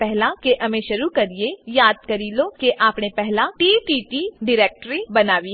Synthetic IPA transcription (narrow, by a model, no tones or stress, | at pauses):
pɛɦlãkeʔɐmẽʃɐɾukɐɾiejaːd̪̚kɐɾiːlokeʔaːpnepɛɦlãʈiːʈiːʈiɖɪɾeːk̚ʈɾibɐnaːʋi